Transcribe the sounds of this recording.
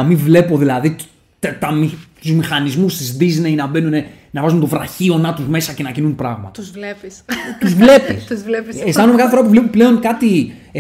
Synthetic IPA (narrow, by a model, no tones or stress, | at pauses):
mivle̞po̞ðilɐði | t̪t̪ɐmit̪uzmixɐnizmust̪izdizneinɐbe̞nunenɐvɐzunt̪o̞vɾɐ̰çio̞nɐt̪uzme̞sɐce̞nɐcinunpɾɐ̰ɣmɐ̰t̪ɐzvlepist̪uzvle̞pissuzvlepiestɐnumekɐθefoɾɐpuvlepple̞o̞nkɐt̪i